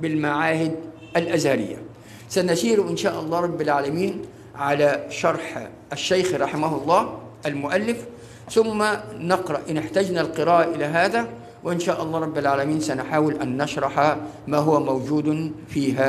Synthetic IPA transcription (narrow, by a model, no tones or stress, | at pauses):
bɪlmaʕaːhɪd̪ | ʔalʔazhaɾɪ̰jːa̰ | sanaʃiːɾʔɪnʃaːʔɑlˤːɑːɾˤɑbːɪlʕaːlamiːn | ʕalaʃɑɾˤħ | aʃːajxɾˤɑħɪmaɦʊlˤːɑː | ʔalmʊʔalːɪf | θʊmːanɪqɾˤɑʔʔɪnɪħt̪ad͡ʒnalqɨɾaːʔaʔɪlaɦaːða | wɪʔɪnʃaːʔɑlˤːɑːɾˤɑbːɪlʕaːlamiːnsanʊħaːwɪlʔanːɑʃɾˤɑħa | maːɦʊwamawd͡ʒuːd̪fiːɦa